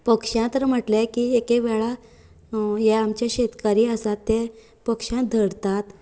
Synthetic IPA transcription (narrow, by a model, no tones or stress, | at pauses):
pəkʂãt̪əɾm̤əʈlɛkiːekeʋɛɭa | jɛamt͡ɕjaɕet̪kaɾiːəsat̪ːɛ | pəkʂãd̪ʱəɽt̪at̪